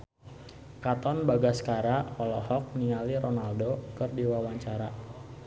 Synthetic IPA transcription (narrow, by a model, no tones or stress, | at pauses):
kat̪ɔnbaɡaskaɾaɔlɔhɔk̚niŋaliɾɔnaldokɨrdiwawaɲt͡ʃaɾa